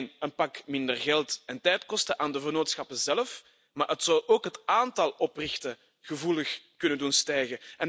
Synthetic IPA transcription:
nənpɑkmɪndərɣɛlˠtɛntɛjtkɔstəʔaːndəvərnoːtsxɑpəzɛlf | maːɦətsɑwʔoːkɦətaːntɑlˠɔprɪxtə | ɣ̥əvuləxkɵnəndunstɛjɣəɛn

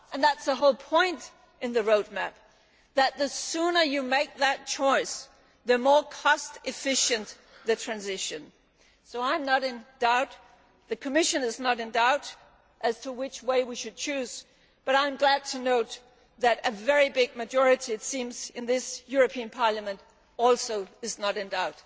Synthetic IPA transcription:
ɨ̃nðætsəɦoʊlˠpʰɔ̃ɪ̃nt | ʔɨ̃nðɨɹoʊd̚mæp̚ | ðɨt̪̚ðɨsʉ̃nə˞jɨmeɪk̚ðɨt̚t͡ʃʰɔɪs | ðɨmɔɹkʰɔstɨfɪʃɨ̃n | ðɨtʰɹ̥æ̃nzɪʃɨ̃n | soʊãɪ̃mnəɾɨ̃nd̥aʊt̪̚ | ðɨkʰɨmɪʃɨ̃nɨznəɾɨ̃ndaʊɾ | ʔɨz̥tʰəwɪt͡ʃweɪwiʃɨd̚t͡ʃʰʉz̥ | b̥ʌɾãɪ̃mɡlæd̚tʰɨnoʊt̪̚ | ðɨɾɨvɛɹibɪɡ̚mɨd͡ʒɔɹɨɾiɨtsĩmzɨ̃nðɪsjʊɹɨpʰiɨ̃npʰɑɹlˠɨmɨ̃nt | ɔlˠsoʊɨznəɾɨ̃ndaʊt

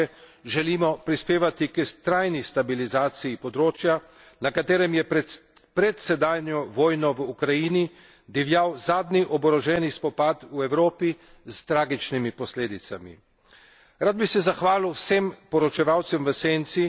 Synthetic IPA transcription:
ɛ | ʒɛlimɔpɾispeːʋat̪ikət̪ɾajnist̪abilizaːt̪sijipɔd̪ɾoːt͡ʃja | nakat̪eːɾɛmjɛ | pɾɛt̪sɛd̪aːjnjɔʋɔːjnɔʋukɾajini | d̪iʋjawzaːd̪niʔɔbɔɾɔʒɛnispɔpat̪uɛwɾoːpi | zt̪ɾaːɡit͡ʃnimipɔsleːd̪it̪sa̰mḭ | ɾaːd̪̚bisɛzaxʋaːliwsempɔɾɔt͡ʃɛʋawt̪sɛmʋəseːnt̪si

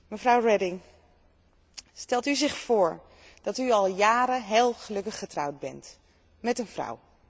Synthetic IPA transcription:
məvrʌwrɛdɪŋ | stɛlˠtyzɪχfʊːɹ | d̥ɑtyɑlˠjaːɾəɦeːlˠχəlɵkəχːətrʌwd̚bɛ̰nt | mɛtənvrʌ̰w

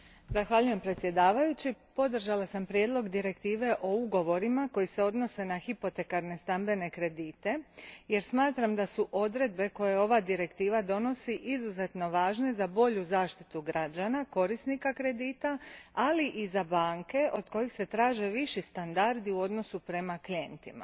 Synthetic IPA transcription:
zaxʋaʎuje̞mpɾet̪sʲje̞d̪aːʋajut͡ɕipo̞d̪r̩ʒalasampɾje̞d̪lo̞ɡd̪iɾe̞kt̪iːʋe̞ʔo̞uɡo̞ʋo̞ɾimako̞jise̞o̞d̪no̞se̞naxipo̞t̪e̞kaɾne̞st̪ambe̞ne̞kɾe̞d̪iːt̪e̞je̞ɾsmaːt̪ɾamd̪asuʔo̞d̪ɾe̞d̪̚be̞ko̞je̞o̞ʋad̪iɾe̞kt̪iːʋad̪o̞no̞siʔizuze̞t̪no̞ʋaːʒne̞zabo̞ʎuzaːʃt̪i̥t̪uɡɾad͡ʒanako̞ɾisnikakɾe̞d̪iːt̪aaliʔizabaːŋke̞ʔo̞d̪ko̞jixse̞t̪ɾaːʒe̞ʋiʃist̪and̪aɾd̪iuo̞d̪no̞supɾe̞maklient̪ima̰

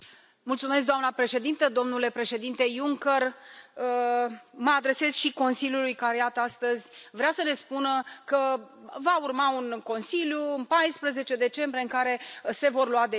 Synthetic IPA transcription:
mult̪sumes̬k̚d̪oamnəpɾe̞ʃe̞d̪int̪əd̪o̞mnule̞pɾe̞ʃe̞d̪int̪e̞juŋkər | məad̪ɾe̞se̞z̥ʃiko̞nsiljulujkaɾejat̪ast̪əzʲvɾeasəne̞spunəkə | vaurmaunko̞nsiljuɨnpajspɾəze̞t͡ʃe̞d̪e̞t͡ʃe̞mbɾieɨŋkaɾe̞se̞vo̞rluwad̪e

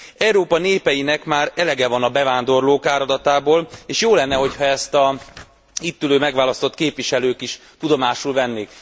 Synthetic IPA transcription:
ɛuɾoːpɒneːpɛjinɛkmaːɾɛlɛɡɛvɒnɒbɛvaːnd̪o̞rloːkaːɾɒd̪ɒt̪aːboːleːʃjoːlɛnːɛɦo̞chɒɛst̪ɒ | it̪ːyløːmɛɡʋaːlɒst̪o̞t̪keːpʋiʃɛløːkiʃ | t̪ud̪o̞maːʃulvɛnːeːk

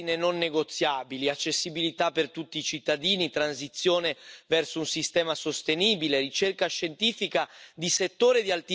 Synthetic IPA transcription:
inenonːeɡot̪sːjaːbiliat͡ʃːesːibilit̪apːert̪ut̪ːiːt͡ʃit̪ːad̪iːnit̪ɾans̬it̪sːjoːnevɛrsounsist̪ɛːmasost̪eniːbilerit͡ʃerkaʃent̪iːfikad̪iset̪ːoːɾed̪ialt̪i

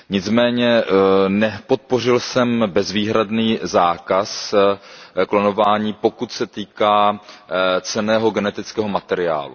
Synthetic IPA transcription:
ɲɪt͡smɛːɲɛnɛpo̞t̪̚po̞r̝ɪlsɛmbɛzviːɦɾadniːzaːkas | klono̞vaːɲiːpo̞kut̪sɛt̪iːkaː | t͡sɛnɛːɦo̞ɡɛnɛt̪ɪt͡skɛːɦo̞mat̪ɛɾɪa̰ːlṵ

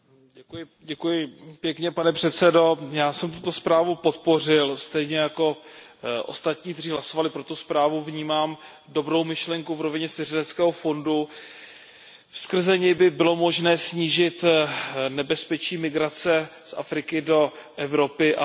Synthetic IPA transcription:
ɟɛkujɪ | ɟɛkujɪpjɛkɲɛpanɛpr̥ɛt̪sɛdo̞jaːsɛmt̪ut̪o̞spɾaːvupo̞t̪po̞r̝ɪlst̪ɛjɲɛjako̞ | ʔo̞̰st̪at̪ɲiːk̚t̪ɛr̝iːɦlaso̞valɪpɾo̞t̪uspɾaːvuvɲiːmaːm | do̞bɾo̞wmɪʃlɛŋkuvɾo̞vɪɲɛsɪrɛdɛt͡skɛːɦo̞fo̞ndu | fskr̩zɛɲɛjbɪbɪlo̞mo̞ʒnɛːsɲiːʒɪt̪ | nɛbɛspɛt͡ʃiːmɪɡɾat͡sɛsʔa̰fɾɪkɪdo̞ʔɛvɾo̞pɪʔa

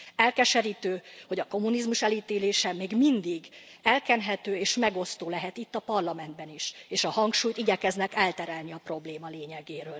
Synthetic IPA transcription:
ɛlkɛʃɛɾiːt̪øːho̞ɟɒko̞munizmuʃɛliːt̪eːleːʃɛmeːɡmind̪iɡɛlkɛnɦɛt̪øːeːʃmɛɡo̞st̪oːlɛɦɛt̪it̪ːɒpɒrlɒmɛnd̪bɛniʃeːʃɒhɒŋkʃuːjt̪iɟɛkɛznɛkɛlt̪ɛɾaːlniɒpro̞bleːmɒleːɲɛɡeːɾøːl

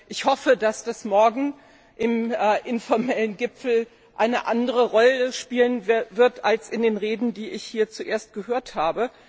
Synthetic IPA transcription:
ʔɪçhɔfədasd̥asmɔɐɡŋ̩ | ʔɪmːʔɪnfɔɐmɛlənɡɪpp͡fl̩ | ʔaɪnəʔandəʁ̞əʁɔləʃpiːlənvɪɐtʔalsɪndeːnʁeːdn̩diːʔɪçhiːɐt͡suʔeːɐst̚ɡ̥əɦøːɐthaːbə

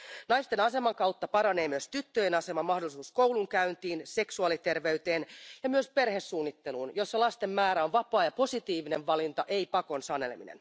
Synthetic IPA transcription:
nɑjst̪enɑse̞mɑŋkɑwt̪ːɑpɑɾɑne̞ːmyøst̪yt̪ːøje̞nɑse̞mɑmɑhdo̞lisuːskowluŋkæynt̪iːnse̞ksuɑlit̪e̞rʋe̞yt̪e̞ːnjɑmyøspe̞rhesːuːnːit̪ːe̞luːnjo̞sːɑlɑst̪e̞mːæːɾæonʋɑpɑːjɑpo̞sit̪iːʋine̞ʋʋɑlint̪ɑʔeipɑko̞nsɑnelḛmḭnḛn

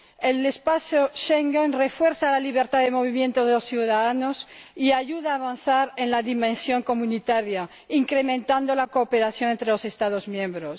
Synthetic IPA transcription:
elespaθjoʃeŋɡenrefwe̞ɾsalaliβ̞eɾt̪aðemo̞β̞imjẽ̞nt̪oðelosθjuðaðano̞siaʝuðaːβanθaɾe̞nlaðimẽnsjo̞ŋko̞mũnit̪aɾja | iŋkɾe̞mẽnt̪and̪o̞lako̞ːpe̞ɾaθjo̞nent̪ɾelo̞se̞st̪að̞o̞zmjẽ̞mbɾos

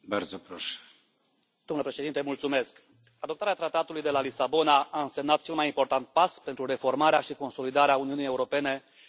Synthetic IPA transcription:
baɾd̪zopɾoʃe̥ | d̪̥omləpɾe̞ʃed̪int̪emult̪sume̞sk | ad̪op̚t̪aɾeat̪ɾat̪at̪ulujd̪e̞lalisabo̞naaɨnse̞mnat̪̚t͡ʃe̞lmajimpo̞rt̪ant̪̚paspe̞nt̪ɾuɾe̞fo̞rmaɾeaʃiko̞nso̞lid̪aɾeauniunije̞uɾo̞pe̞ne̞

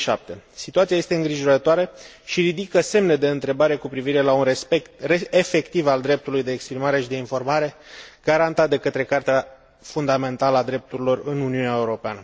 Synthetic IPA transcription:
ʃa̰p̚t̪e̞sit̪uat̪siaje̞st̪e̞ɨŋɡɾiʒo̞ɾət̪oaɾe | ʃiɾid̪ikəse̞mne̞d̪e̞ɨnt̪ɾe̞baɾe̞kupɾiviɾe̞launrespekt̪reefe̞kt̪ivald̪ɾe̞p̚t̪ulujd̪e̞ːkspɾimaɾe̞ʃid̪e̞info̞rmaɾe̞ɡ̥aɾant̪at̪̚d̪e̞kət̪ɾe̞kart̪ea | fund̪ame̞nt̪aləad̪ɾe̞p̚t̪uɾilo̞rɨnuniuneaeuɾo̞peanə

